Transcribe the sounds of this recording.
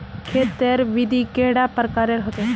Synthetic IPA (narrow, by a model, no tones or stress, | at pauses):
kʰet̪eɾʋid̪ʱikeɽapəɾkaːɾeɾɦət̪e